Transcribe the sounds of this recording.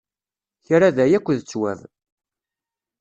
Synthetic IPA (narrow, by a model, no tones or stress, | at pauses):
çɾaðæjækʷːðt͡sːwæ̰v